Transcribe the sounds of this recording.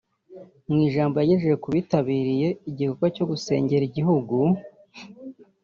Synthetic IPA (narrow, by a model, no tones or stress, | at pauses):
mŋiːʒaːmbo̞jajeʒejekuβitaβiːɾije̞iɟiko̞kwaco̞ɡuse̞ːɲɟe̞ɾiɟiɦuɡu